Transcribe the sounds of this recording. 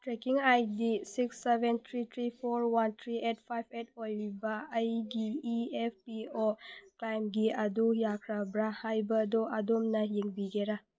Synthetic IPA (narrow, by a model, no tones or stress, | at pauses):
tɾekiŋajdisiksːebent̪ʰɾit̪ʰɾipʰoɾwant̪ʰɾiʔet̚pʰajb̚ʰet̚ojibaəjɡiiep̚pioklajmɡiɐdujakʰɾabɾahajbɐdoʔɐdomnɐjiŋbiɡeɾa